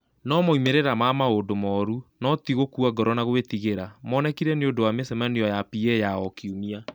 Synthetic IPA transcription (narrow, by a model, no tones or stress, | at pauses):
nɔmoimeɾeɾamamaodomɔɾunɔt̪iɣokuaɡɔɾɔnaɣwetiɣeɾamɔnɛkiɾɛneondowamesɛmaniɔjapiɛjaɔkiumia